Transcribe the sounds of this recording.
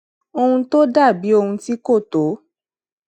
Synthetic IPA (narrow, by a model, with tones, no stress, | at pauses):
o˧hũ˧to˦da˦˨bi˨˦o˧hũ˧ti˦ko˦˨to˨˦